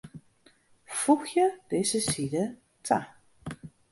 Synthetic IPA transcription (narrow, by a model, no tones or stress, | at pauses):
fuxjəd̥ɪzəsidə | tʰa